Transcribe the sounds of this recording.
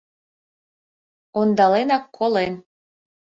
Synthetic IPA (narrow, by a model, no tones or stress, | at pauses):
ond̪ɑlenɑkʰːolen